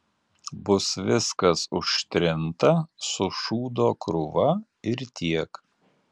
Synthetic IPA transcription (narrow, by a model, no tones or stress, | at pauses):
bʊsʋʲɪskɐsʊʃʲt̪ʲɾʲɪnt̪ɐsʊʃuːd̪oːkɾʊʋɐ | ɪɾt̪ʲiɛk